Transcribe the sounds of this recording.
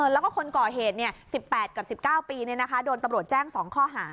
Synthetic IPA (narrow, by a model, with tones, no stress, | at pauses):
ʔɤː˧˩lɛː˦˥wkɔː˥˩kʰo˧nkɔː˨˩ɦeː˨˩t̪̚ni˥˩ɐəsi˨˩pːɛː˨˩t̪̚ka˨˩psi˨˩p̚kaː˥˩wpiː˧ni˥˩ɐna˦˥kʰa˦˥doː˧nt̪a˧mɾu˨˩ət̪̚t͡ɕɛː˥˩ŋsɔː˩˦ŋkʰɔː˥˩ɦaː˩˦